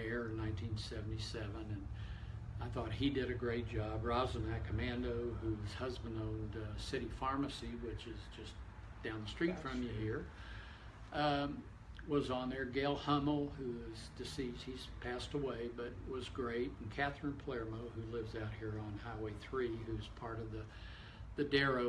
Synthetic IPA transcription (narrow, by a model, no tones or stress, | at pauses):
ɛɹɨ̃nːãɪ̃ntʰĩnsɛvn̩tisɛvə̃nɨ̃n | aɪθɔt̚hidɨɾɨɡɹeɪt̚d̥ʒ̥ɑbɹɑzɨ̃nɨkʰɨmæ̃ndoʊhuz̥hʌzbə̃n̩doʊlˠdsɪɾifɑɹmɨsiwɪt͡ʃɨzd͡ʒʌs | d̥ãʊ̃nðəstɹ̥itfɹʌ̃mjɨhiɹ | wʌzn̩ðə˞ɡeɪlˠhʌ̃ml̩ˠhuzdɨsi̥hiz̥pʰæstəweɪbʌt̚wʌzɡɹeɪtn̩kʰæθɹɨ̃npʰl̥ɛɹmoʊhʉlɪvzaʊt̚hiɹə̃nhaɪweɪθɹihʉz̥pʰɑɹɾʌvðɨ | ðɨdɛɹoʊ